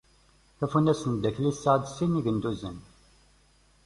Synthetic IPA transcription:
θæfunæsənd̪æçlisːəʕd̪siniʝənd̪uzən

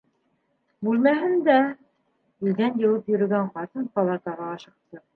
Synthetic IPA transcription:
bʉlmæɦɘnd̪æ | ilɡænjɤ̆lˠɤpjɵ̆ɾɵ̆ɡæɴqɑt̪ɤnpɑlˠɑt̪ɑʁɑːʃɤ̆q̚t̪ɤ

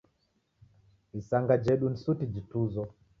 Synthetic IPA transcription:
isaŋɡad͡ʒɛɗunsutid͡ʒituzɔ

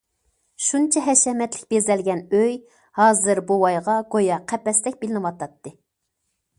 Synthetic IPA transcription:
ʃunt͡ʃʰɛɦɛʃɛmɛt̪lɪk̚ʲbezɛlɡʲɛnøj | hɑːzɨɾbuwɑjʁɑɡojɑqʰɛpɛsd̪ɛk̚ʲbɪlɪnɨwɑt̪ɑt̪ːɨ

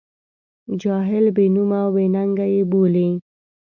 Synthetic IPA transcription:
d͡ʒɑɦɪlbenumawbenaŋɡajeboli

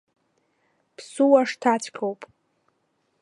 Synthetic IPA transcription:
pʰsuwaʂtʰat͡ɕʷʰʼkʲʰowpʼ

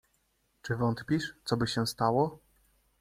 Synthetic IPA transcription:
t͡ʂɘvɔnt̪pʲiʂt̪sɔbɘɕɛ̃st̪awɔ

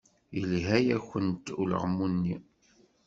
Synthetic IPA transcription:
jəlɦæjæçʷənt̪ulə̰ʁmunːi

